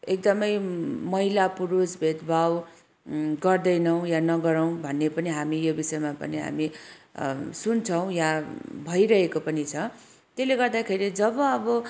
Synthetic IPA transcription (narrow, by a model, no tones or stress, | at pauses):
ekd̪ʌmʌjmʌɦilapuɾusbʱed̪bʱaw | ɡʌrd̪ʌjnʌw̃janʌɡʌɾʌw̃bʱʌnːepʌniɦamijobisʌjmapʌ̰niɦa̰mi | sunt͡sʰʌw̃jabʱʌiɾʌɦekopʌnit͡sʰʌ | t̪esleɡʌrd̪akʰeɾid͡zʌbʌʌbʌ